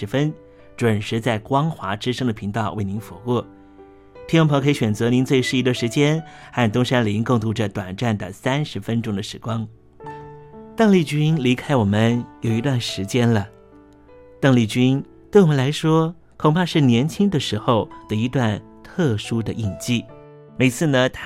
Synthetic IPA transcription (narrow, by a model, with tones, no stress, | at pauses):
ɻ̩˧˥fə˥n | ʈ͡ʂwə˨˩nʂɻ̩˧˥t͡sa˥˩ɪkwɑ˥ŋxwa˧˥ʈ͡ʂɻ̩˥ʂɤ˥ŋd̪ə˨pʰi˧˥ŋt̪ɑ˥˧ʊwe˥˩ɪni˧˥nfɔ˧˥kwɔ˥˩ | t̪ʰi˥ŋwʊ˥ŋpʰŋkʰə˧˥i˧˥ɕɥɛ˨˩nt͡sɤ˧˥ni˧˥nt͡swe˥˧ɪʂɻ̩˥˩i˧˥d̪ə˧ʂɻ̩˧˥t͡ɕjɛ˥nxa˥˩nt̪ʊ˥ŋʂa˥nli˧˥ŋkɤ˥˩ŋt̪̬u˧˥ʈ͡ʂə˧t̪wa˨˩nʈ͡ʂa˥˩nd̪ə̰˩sa˥nʂɻ̩˧˥fə˥nʈ͡ʂʊ˥ŋd̪ə˨ʂɻ̩˧˩kwɑ˥ŋ | t̪ɤ˥˧ŋli˥˩t͡ɕy˥nli˧˥kʰa˥ɪwɔ˨˩mə˦njo˨˩ʊi˧˥t̪wa˥˩nʂɻ̩˧˥t͡ɕjɛ˥nlə˨ | t̪ɤ˥˧ŋli˥˩t͡ɕy˥n | t̪we˥˩ɪwɔ˨˩ə˦la˧˥ɪʂwɔ˥ | kʰʊ˨˩ŋpʰa˥˧ʂɻ̩˥˩njɛ˧˥nt͡ɕʰi˥ŋd̪ə˨ʂɻ̩˧˥xo˥˧ʊd̪ə˩i˧˥t̪wa˥˧n | t̪ʰɤ˥˩ʂu˥d̪ə˨ʔi˨˩nt͡ɕi˥˩ | me˨˩ɪt͡sʰɹ̩˥˩nə˨t̪ʰ